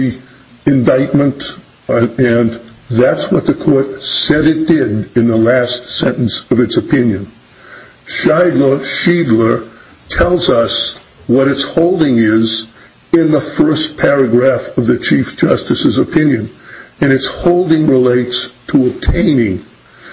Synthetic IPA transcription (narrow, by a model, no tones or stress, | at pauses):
i | ɨ̃ndaɪt̚mə̃nt | ɨ̃nðætswʌt̪̚ðɨkʰɔɹt̚sɛɾɨt̚d̥ɪɾɨ̃nðəlæstsɛ̃nʔn̩sʌvɨtsɨpʰɪ̃njɨ̃n | ʃaɪdˡlə˞ʃidˡlə˞ | tʰɛlˠzʌs | wʌɾɨtshoʊlˠdɪ̃ŋɪz | ɪ̃nðəfɜ˞spʰɛɹɨɡɹæfʌvðɨt͡ʃʰifd̥ʒ̥ʌstɨsɨzəpʰɪ̃njɨ̃nɨ̃ñɨtshoʊlˠdɪ̃ŋɹɪleɪtstʰəəb̚tʰẽɪ̃nɪ̃ŋ